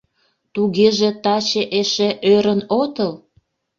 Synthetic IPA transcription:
t̪uɣeʒe̽t̪ɑt͡ɕeʔeʃeʔøɾənot̪əl

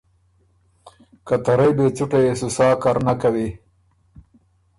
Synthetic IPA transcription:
kat̪aɾajbet͡suʈajesusɑːkaɾnakawi

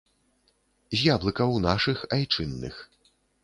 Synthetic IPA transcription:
zʲjablˠɨkɐwnaʂɨxajt͡ʂɨnːɨ̰x

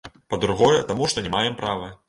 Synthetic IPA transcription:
pɐd̪ɾuɣɔjɛt̪amuʂt̪ɔnʲɛmajɛmpɾavɨ

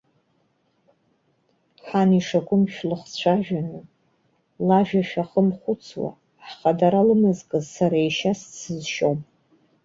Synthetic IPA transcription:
ħaniʂakʷʼʊmʃᶣlɨχt͡ɕʷʰaʒᶣanɨ | laʒᶣaʃᶣaχəmχʷʊt͡sʰwa̰ | ħχadaɾalɨmɨzkʼɨzsaɾaiʃast͡sɨzʃom

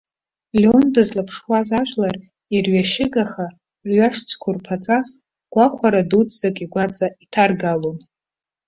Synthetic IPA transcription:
lʲondɨzlapʰʂwazaʒʷᶣlar | irɥaʃɪɡaχa | rɥaʂt͡sʰʼkʷʰʊrpʰat͡sʼas | ɡ̥ʷaχʷaɾadut͡sz̥akʼiɡʷat͡sʼaitʰarɡalon

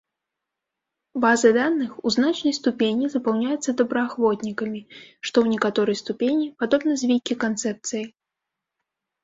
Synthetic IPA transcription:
bazɨd̪anːɨxuznat͡ʂnɐjst̪upʲenʲizɐpawnʲajɛt̪sːɐd̪ɐbɾɐaxvɔt̪ʲnʲikɐmʲiʂt̪ɔwnʲɛkat̪ɔɾɐjst̪upʲenʲipad̪ɔbnɐzʲvʲijkʲikant̪sɛp̚t̪sɨjɐj

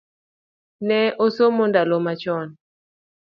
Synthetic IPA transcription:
nɛʔosomondalomat͡ʃɔn

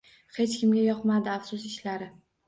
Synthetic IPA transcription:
he̞t͡ʃkʲɪmɡʲajɒqmad̪ɪafsʊsɪʃlaɾɪ

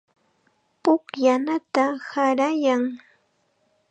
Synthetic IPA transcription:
pʊkjanat̪ahaɾajaŋ

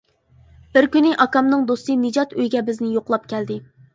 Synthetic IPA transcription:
b̥ɪɾkʲynɪʔɑkɑmnɨŋd̪ost̪ɨnɨd͡ʒɑt̪øjɡʲɛbɪznɪjoqlˠɑp̚kʲʰɛld̪ɪ

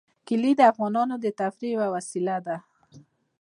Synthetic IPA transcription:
kɪlid̪əafɣɑnɑnod̪ət̪afɾiwawasilad̪a

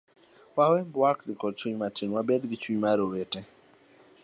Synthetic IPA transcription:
wawɛmbwakdɪkɔd̚t͡ʃuɲmatinwabɛdɡɪt͡ʃuɲmaɾowete

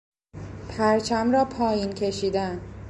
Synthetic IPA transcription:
pʰæɾt͡ʃʰæmɾɒːpʰɒːjiːnkʰe̞ʃiːd̪æn

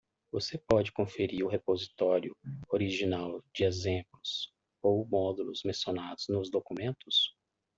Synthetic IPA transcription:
vosepɔd͡ʒɪkõfeɾiɾʊɦepozit̪ɔɾjʊoɾiʒinawd͡ʒɪezẽplʊs | owmɔd̪ulʊzmẽsijonad̪ʊznʊzd̪okumẽnt̪ʊs

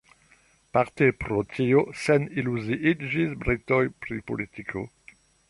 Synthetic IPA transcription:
paʁt̪epɾot̪ʲʰijosɛniluziʔid̪ʒizbɾit̪ɔjpɾipo̰lit̪ikʰo

